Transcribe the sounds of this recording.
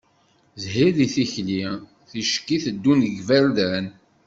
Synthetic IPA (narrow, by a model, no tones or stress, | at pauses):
zɦiðiθiçli | θiʃkːiθəd̪ːunəɡvæɾðæn